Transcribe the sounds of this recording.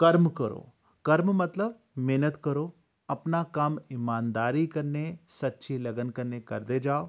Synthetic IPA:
kɐɾmkɐɾo̰ː | kɐɾmmɐt̪ləb̚ | meːnət̪kɐɾo | ɐpnakamɪmaːnd̪aːɾikɐɾnesɐtːʃʰilɐɡənkɐɾnekɐɾd̪ed͡ʒaːo

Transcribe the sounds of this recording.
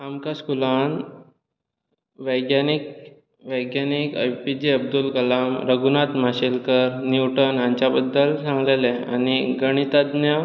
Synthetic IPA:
amkaskulan | ʋəjɡjanik̚ | ʋəjɡjanikə̰jpid͡ʑeəb̚d̪ulkəlamɾəɡunat̪m̤aɕilkəɾniwʈənjãɲt͡ɕjabəd̪ːəlsãŋɡlelea̰niɡəɽ̃it̪ad̪nja

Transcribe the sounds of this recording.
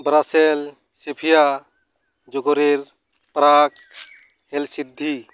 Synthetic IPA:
bɾasel | sepʰija | d͡ʒɔɡɔɾiɾ | pɾak̚ | hɛlsid̪ʱːi

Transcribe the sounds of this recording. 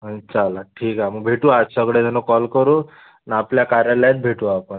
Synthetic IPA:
t͡ʃalaʈʰiːkamũbʱeʈuat̪səɡɽed͡zʱənokɔlkəɾũ | napljakaɾjalat̪bʱeʈuapən

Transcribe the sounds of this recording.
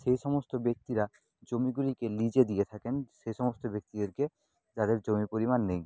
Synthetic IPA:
ʃejʃɔmost̪obek̚t̪iɾa | d͡ʑomiɡulikelid͡ʑed̪ijet̪ʰakenʃejʃɔmost̪obek̚t̪id̪eɾke | d͡ʑad̪eɾd͡ʑomipoɾimanːej

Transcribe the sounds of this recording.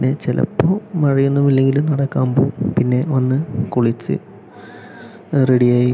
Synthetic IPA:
nːet͡ɕelʔɐ̰pːomɐɻijunːumilːe̞ŋɡilumnɐɽɐkːa̰ːmboːumpinːe̞o̞nːɨkuɭit͡ɕːɨ̰ | riɽijaːji

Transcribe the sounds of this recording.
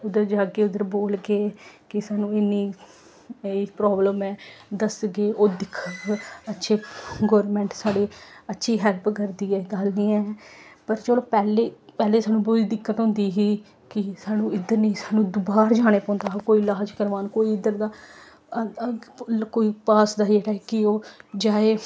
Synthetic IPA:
ʊd̪əɾd͡ʒaːɡeːʊd̪əɾboːlɡeːkɪsaːnũːɪniː | epɾɔːbləmɛːd̪əsɡeːʔoːd̪ɪkʰːəkətːʃʰeːɡɔːɾmɛ̃ːɳʈsaːɽeːətːʃʰiːɦɛlpkəɾd̪iːɛːɡəlnĩːɛːpəɾt͡ʃəːloːpɛːleːpɛːleːsaːnũːboid̪ɪkːət̪ɦɔ̃ːnd̪iːɦiː | kɪsaːnũːɪd̪əɾnĩːsaːnũːd̪ʊbaːɾd͡ʒaːɽ̃eːpɔ̃ːnd̪aːkoːiːlaːd͡ʒkəɾʋaːnkoːiɪd̪əɾd̪aː | koːiːpaːsd̪aːd͡ʒeːɽaːɦɛːkɪoːd͡ʒaːeː

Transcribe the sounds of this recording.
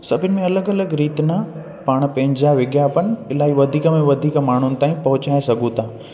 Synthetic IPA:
sɐbʱɪnɪ̆mẽɐləɡɐləɡɾiːt̪nɐ | paːɽ̃pɐ̃ɦɪ̃ɲd͡ʑaʋɪɡjapənɪɪlaːɦiʋɐd̪ʱiːkəmẽʋɐd̪ʱiːkmaːɳ̤ʊnɪ̆t̪aːĩpɐɦʊt͡ɕaːesɐɡʱũt̪ʰaː

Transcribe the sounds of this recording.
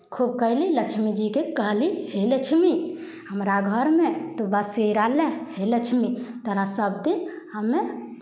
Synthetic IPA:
kʰub̚kəɦliləkt͡ʃʰmid͡ʒikekəɦliheləkt͡ʃʰmi | ɦəmɾaɡʱəɾmet̪obəseɾalɛ̃helət͡ʃʰmit̪əɾasəbd̪in | ɦəmːe

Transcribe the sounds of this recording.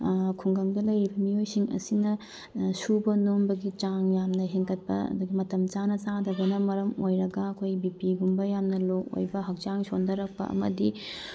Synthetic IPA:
kʰuŋɡɐŋdɐlɐjibɐmiojsiŋɐ̰sinɐ | subɐnombɐɡit͡ʃaŋjamnɐɦeŋkɐt̚pɐɐ̰d̪uɡimɐtɐmt͡ʃanɐt͡ʃadɐbɐnɐmɐɾɐmojɾɐɡɐɐkʰojbipiɡumbɐjamnɐlok̚o̰jbɐɦɐk̚t͡ʃaŋsondɐɾɐk̚pɐ̰ʔɐ̰mɐ̰di

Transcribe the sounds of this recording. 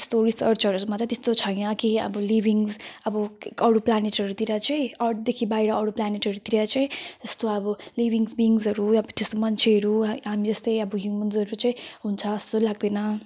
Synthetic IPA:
st̪oɾisʌrt͡sʰʌɾumat͡sãj̃t̪est̪ot͡sʰʌjnʌkiʌ̰bʌlibiŋzʌbʌkʌɽuplaneʈɦʌɾut̪iɾat͡sʌj̃ʌrʈd̪ekʰibaiɾʌʌɽuplaneʈɦʌɾut̪iɾat͡sʌĩd͡zʌst̪oʌbʌliβʱiŋsbiŋzʌɾuʌbt̪est̪omʌnt͡sʰeɦʌɾuɦamid͡zʌst̪ʌjʌbʌɦjumʌnzʌɾut͡saĩɦunt͡sʰʌːst̪olaɡ̚d̪ʌnʌ

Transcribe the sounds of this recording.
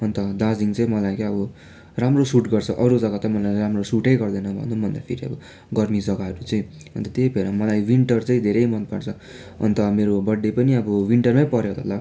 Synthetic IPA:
ʌnt̪ʌd̪ãd͡ziŋt͡sʌĩmʌlajkaʌbʌ | ramrosuʈɡʌrt͡sʰʌʔʌɾud͡zʌɡat̪amʌlajɾamrosuʈʌjɡʌrd̪ʌnʌbʱʌ̰nubʱʌnd̪a̰pʰḭɾiʌ̰bʌ | ɡʌrmid͡zʌɡaɦʌɾut͡sʌĩ | ʌ̰nt̪ʌt̪jejpʰeɾʌmʌlajwiɳʈʌrt͡sʌĩd̪ʱeɾʌjmʌnd̪̚paɽt͡sʰʌ | ʌ̰nt̪ʌmeɾobʌɖːepʌniʌbʌwiɳʈʌrmajpʌɾjot̪ʌ̰lːa

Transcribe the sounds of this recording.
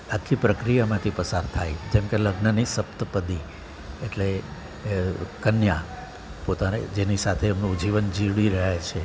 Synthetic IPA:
akʰːipɾəkɾijamãt̪ʰipəsaɾt̪ʰajd͡ʒemkeləɡnənisəpt̪əpəd̪i | eʈle | kənja | pot̪anḛd͡ʒenisat̪ʰeːmnũd͡ʒiʋənd͡ʒiʋɽiɾəɦet͡ʃʰe

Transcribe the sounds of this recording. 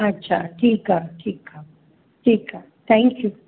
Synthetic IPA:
at͡ʃatikatʰikʰa | tika | t̪ɛ̃ŋkʰju

